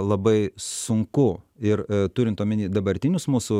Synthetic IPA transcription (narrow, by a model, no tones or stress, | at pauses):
lˠɐbɐɪsʊŋkʊ | ɪɾt̪ʊɾʲɪnt̪omʲɪnʲiːd̪ɐbɐɾʲt̪ʲɪnʲʊsmuːsʊ